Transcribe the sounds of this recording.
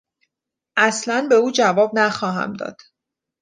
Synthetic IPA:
ʔæslænbe̞uːd͡ʒævɒːbnæxɒːɦæ̰md̪ɒ̰ːd̪̥

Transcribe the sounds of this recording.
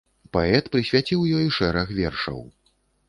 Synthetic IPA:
paɛt̪pɾɨsʲvʲat͡sʲiwjɔjʂɛɾɐxvʲɛrʂɐ̰w

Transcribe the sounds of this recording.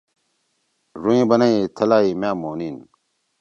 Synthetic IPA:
ɾuĩːbɐnɐit̪ʰɐlaːimãːmoːniːn

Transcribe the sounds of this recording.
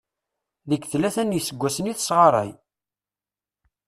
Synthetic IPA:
ðəɡθlːæθænjəsəɡʷːæsəniθəsʁɑɾˤɑ̰j

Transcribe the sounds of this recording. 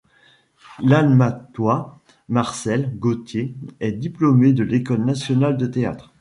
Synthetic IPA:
lalmat̪wa | maʁsɛlɡot̪jeɛd̪iplomed̪əlekɔlnasjɔnald̪ət̪ea̰t̪χ

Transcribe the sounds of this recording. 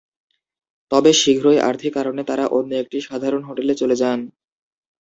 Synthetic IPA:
t̪ɔbeʃiɡʱɾoeʔa̰ɾt̪ʰikːaɾonet̪aɾaʔonːoek̚ʈiʃad̪ʱaɾonɦoʈelet͡ɕoled͡ʑan

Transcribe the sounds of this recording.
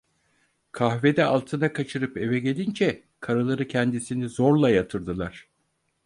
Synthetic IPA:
kʰahve̞d̪ɛalˠt̪ʰɯnakʰat͡ʃʰɯɾɯpe̞vɛɟe̞lʲind͡ʒɛ | kʰaɾalˠaɾɯcʰɛnd̪isinizoɾlˠajat̪ʰɯɾd̪ɯlˠaɾ̥

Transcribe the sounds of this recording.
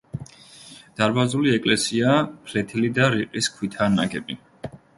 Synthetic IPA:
d̪̥aɾbazuliɛkʼlɛsiapʰlɛt̪ʰilid̪aɾiqʼiskʰwit̪ʰana̰ɡɛbi

